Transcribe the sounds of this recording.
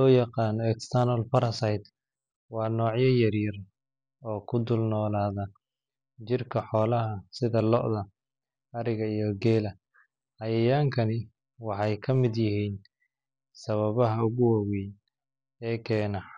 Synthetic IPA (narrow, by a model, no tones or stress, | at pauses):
lɔːjɑqɑːnɔɛkst̪ʰɐnɔlfɐɾɐsajd̪ | wɑːnɔːʕjɐjɐrjɐr | ɔːkʰʊd̪ʊlnɔːlaːðɐ | t͡ʃɪrkʰɐħɔːlɐɦɐsɪðɐlɔ̰ʔðɐ | ɐɾɪɣɐijɔɡɛːlɐ | hɐjɐjaːŋkʰɐnɪ | wɑħɑjkʰɐmɪd̪jɪhiːn | sɐβɐβɐɦɐʊɣʊwɐwɛj | ɛːkʰɛːnɐ